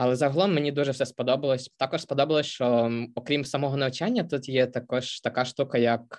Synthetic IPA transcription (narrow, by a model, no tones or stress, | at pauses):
ɐlˠɛzɐɦɔlˠɔmːenʲid̪uʒɛwfsɛspɔd̪ɔbɐlˠɔsʲt̪ɑkɔʃspɔd̪ɔbɐlˠɔsʲt͡ʃɔɔkɾʲimsɐmɔɦɔnɐwt͡ʃanʲːɐt̪ut̪jɛt̪ɐkɔʃt̪ɐkaʃt̪ukɐjɐk